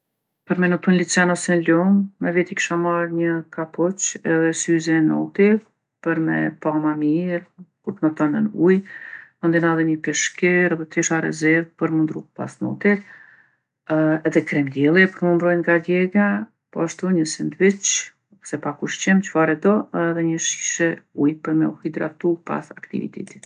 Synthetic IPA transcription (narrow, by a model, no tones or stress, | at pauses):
pəɾmɛnupənlit͡sɛnɔsɛnlumːɛvit̪iki̥ʃamaɾɲəkapɔt͡ʃɛðɛsyzɛnɔ̰t̪iɾ | pəɾmɛ̰pamamiɾkuɾt̪nɔt̪ɔnənujmɔnd̪inaðɛɲəpɛʃkɛɾɛðɛt̪iʃaɾɛ̰zɛɾðpəɾmund̪ɾupa̰snɔ̰t̪iɾ | ɛðɛkɾɛmd̪jɛlˠipəɾmund̪ɾɔjŋɡaɡɛɡa | pɔaʃt̪uɲəsind̪vit͡ʃ | sɛpakuʃt͡ʃɛmt͡ʃə̥faɾɛd̪ɔɛðɛɲəʃi̥ʃɛujpəɾmɛ̰uhid̪ɾa̰t̪upa̰sakt̪ḭvḭt̪ɛ̰t̪i̥